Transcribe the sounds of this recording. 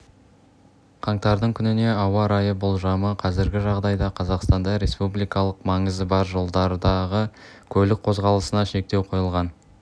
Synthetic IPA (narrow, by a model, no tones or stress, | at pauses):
qʰɑɴt̪ɑɾd̪əɴkʲʰʏnɪne̞ɑwɑɾɑjəbʊlˠʒɑməqʰɑzɪɾɡʲɪʒɑʁd̪ɑjd̪ɑqʰɑzɑqst̪ɑnd̪ɑɾe̞spublˠijkɑlˠəqmɑɴəzəbɑɾʒo̞lˠd̪ɑɾd̪ɑʁəkʲʰɵlɪk̚qʰo̞zʁɑlˠəsənɑʃe̞k̚t̪ewqʰo̞jəlˠʁɑn